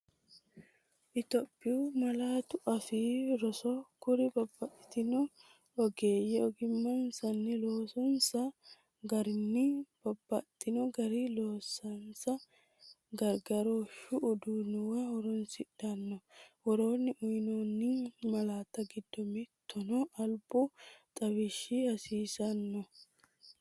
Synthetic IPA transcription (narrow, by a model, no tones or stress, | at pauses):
ʔɪt̪ɔpʼːɪumɐlaːt̪ʊʔɐfiːɾɔsɔkʊɾɪbɐbːɐʔɪt̪ɪnɔ | ɔɡeːjɛɔɡɪmːɐnsɐnːɪloːsɔnsɐ | ɡɐɾɪnːɪb̥ɐbːɐt̪ːɪnɔɡɐɾilo̞ːsɐnsɐ | ɡɐɾɡɐɾoʃʊːd̪unʊwɐwɔɾɔnsɪᶑɐnːɔwɔɾoːnːɪʔʊjnonːɪmɐlaːt̪ːɐɡɪd̪ːɔmɪt̪ʰːɔnɔʔɐlbʊt̪ʼɐwɪʃːɪɐsiːsɐnːɔ